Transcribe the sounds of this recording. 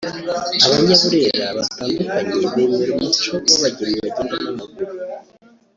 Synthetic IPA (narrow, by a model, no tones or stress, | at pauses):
aβaɲaβuɾe̞ɾaβataːndukaɲe̞nimiɾumut͡ʃo̞oβaɟiɾieβaɟeːndimamaɡuɾu